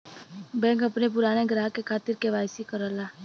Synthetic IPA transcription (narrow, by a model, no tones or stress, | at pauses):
bɛ̃ːŋkɐpnep̬ʊɾaːneɡɾaːɦkekʰaːt̪ɪɾkeʋaːjsikəɾəlaː